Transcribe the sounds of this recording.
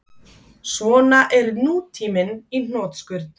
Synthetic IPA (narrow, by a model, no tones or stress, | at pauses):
svɔːnaʔɛɾnuːt̪ʰiːmɪnin̥ɔːt̪skʏɾt̪n̥